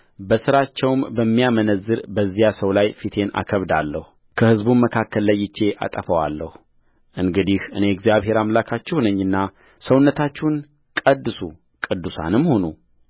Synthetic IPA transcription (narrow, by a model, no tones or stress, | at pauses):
bəsɨɾat͡ʃːɛwmbəmːijamənəzːɨɾbəzːijasəwlajfit̪ʰe̞na̰kʰəβd̪alːəhu | kʰəhɨzbunməkʰakːəlːajːɪt͡ʃːe̞ʔa̰t̪ʼəfəwalːəhu | ʔɨŋɡɨd̪ihʔɨne̞ɡzijaβhe̞ɾamlakʰat͡ʃːɛhunəɲːɨnːa | səwnːət̪ʰat͡ʃːɛn | kʼəd̪ːɨsu | kʼɨd̪ːusa̰nɨmːho̞nu